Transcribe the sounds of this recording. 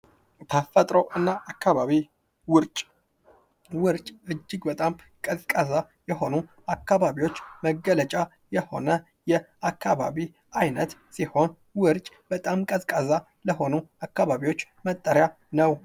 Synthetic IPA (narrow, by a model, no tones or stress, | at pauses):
t̪ʰəfət̪ʼɾowʔɨnːaʔakːaβaβi | wʊɾt͡ʃʼ | wɨɾt͡ʃʼɨd͡ʒːɪɡbət̪ʼam | kʼəzkʼaza | jɛho̞nu | akʰːaβaβiwo̞t͡ʃːməɡːələt͡ʃʼa | jɛho̞̰nə | jɛ | akʰːaβa̰βi | ajnət̪siho̞n | wɨɾt͡ʃʼ | b̥ət̪ʼamkʼəzkʼəza | ləɦo̞nuakːaβaβiwo̞t͡ʃː | mət̪ʼːəɾja | nəw